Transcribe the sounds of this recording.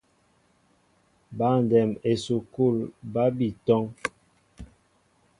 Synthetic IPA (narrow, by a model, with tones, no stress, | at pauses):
ba˦˨n˨dɛ˨me˨su˨ko˦˨lba˦bi˨tɔ˦ŋ